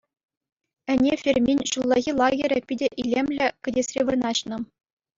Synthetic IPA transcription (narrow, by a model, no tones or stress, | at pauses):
ɘ̆nʲefʲerʲmʲenʲɕulˠːɑɣʲilˠɑɡʲeɾʲɘ̆pʲidʲĕʔilʲemʲlʲɘ̆kʲɘ̆dʲesʲrʲeʋɤ̆nɑɕnɤ̆